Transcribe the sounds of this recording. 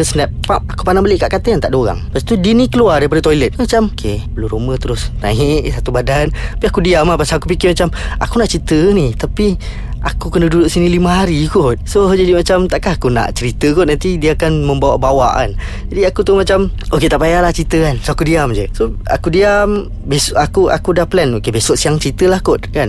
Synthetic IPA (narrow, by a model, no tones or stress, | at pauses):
əsənɛp̚pap̚akupanabəlɪʔkaʔkat̪əant̪aʔdoɣa̰ŋpast̪udinikəluardaɾipadat̪ojilət̪̚mat͡ʃamokʰebəluɾumət̪əɾʊsna̰iʔsat̪ubadant̪apiakudiamapasalakup̬ikɪmat͡ʃama̰kunaʔt͡ʃit̪ənit̪api | akukənədudʊʔsiniliməɦaɾikʊt̪̚sod͡ʒadimat͡ʃamt̪aʔkahakuna̰ʔt͡ʃəɾit̪əkʊt̪̚nant̪idiəakanməmbawa̰ʔbawaʔa̰n | d͡ʒadiakut̪umat͡ʃamoket̪aʔpajalaht͡ʃɾit̪əkansoakudiamd͡ʒəsoa̰kudiam | besʔakua̰kudahplɛnokebesoʔsiaŋt͡ʃəɾit̪əlahkʊt̪̚kan